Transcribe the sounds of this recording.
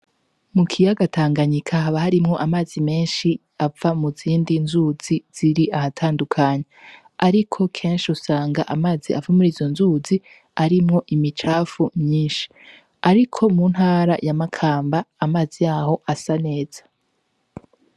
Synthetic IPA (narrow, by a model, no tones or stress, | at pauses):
mukʰijaɡatʰaːŋɡaɲikʰaɦaβahaɾimŋo̞ʔamaːzimeːnʃi | avamuziːndinzuz̥iz̥iɾiahatʰaːndukʰaɲe | aɾikʰo̞kʰe̞ːnʃiusaːŋɡaʔamaːziavamuɾizo̞nzuːzi | aɾimŋo̞ʔimit͡ʃaːfumɲiːnʃi̥ | aɾikʰo̞mun̥haːɾajamakʰaːmbaːmaːzijaːho̞ʔasane̞ːz̥ḁ